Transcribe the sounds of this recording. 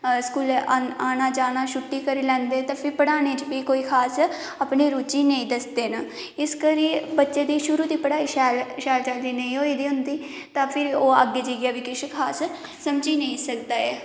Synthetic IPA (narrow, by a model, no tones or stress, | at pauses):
skuːlaːnaːd͡ʒaːnaːʃʊʈːiːkəɾiːlɛ̃ːnd̪eːt̪ãːpʰɪɾpəɽaːneːt͡ʃbiːkoːiːkʰaːs | aːpneːɾuːt͡ʃiːnəĩːd̪əsd̪eːnaː | ɪskəɾiːbətːʃeːd̪iːʃʊɾuːd̪iːpəɽaːiʃɛːlʃɛːlt͡ʃəld̪iːnəĩːɦoːiːd̪iːɦʊnd̪iː | t̪ãːpʰɪɾoːə̰ɡːeːd͡ʒiɡjaːbiːkɪʃkʰaːsː | əmd͡ʒiːnəĩːsək̚d̪aːɛː